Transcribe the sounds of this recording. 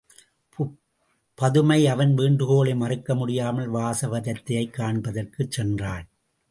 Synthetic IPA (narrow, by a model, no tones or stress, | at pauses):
pɐðɯmɐɪɐʋɐnʋiːɳdɯɣoːɭemɐrɯkːɐmʊɽɪjaːmɐlʋaːsɐʋɐðɐt̪ːɐjɐɪkːaːɳbɐðɐrkɯt͡ʃsɛndraːn